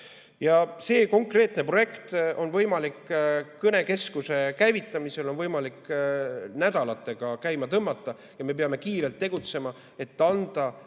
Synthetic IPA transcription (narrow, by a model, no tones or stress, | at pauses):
jɑse̞ːko̞ŋkre̞ːt̪ne̞pro̞je̞kt̪o̞nvɤjmɑlikːɤne̞ke̞skuse̞kæjvit̪ːˑɑmise̞lo̞nvɤjmɑlikː | næd̪̥ɑlɑt̪ːˑe̞ɡ̥ɑkæjmɑt̪ɤmːɑt̪ːˑɑ | jɑme̞p̬eɑme̞kiːɾe̞lt̪ːe̞ɡ̥ut̪se̞mɑ | e̞t̪ːˑɑnd̪̥ɑ